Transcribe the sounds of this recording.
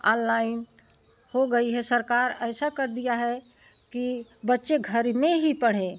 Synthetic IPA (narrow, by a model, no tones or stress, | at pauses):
ɔ̰̃nlaːɪn | hoɡəiɦɛsəɾkaːɾɛːsakəɾd̪ijaɦɛ | kibətːʃeɡʱəɾmẽɦipəɽ̤ẽ